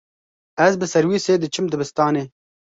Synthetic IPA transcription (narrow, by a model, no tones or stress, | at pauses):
ɐzbəsɐɾwised̪ət͡ʃɨmd̪əbɪst̪ɑːne